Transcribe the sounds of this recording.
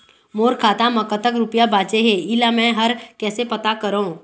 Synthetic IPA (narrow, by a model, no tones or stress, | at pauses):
moːɾkʰaːt̪ãmɐkət̪ək̬ɾʊpijabaːt͡ʃeɦẽɪlamɛ̃ɦɐɾkɛːsepɐt̪akɐɾɦõː